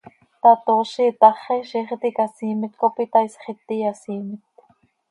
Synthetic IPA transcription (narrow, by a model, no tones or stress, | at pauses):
t̪ɑt̪oːʃit̪ɑχeʃiːχt̪ikasiːmɪt̪kopit̪ɑisχit̪ːijɑsiːmɪt̪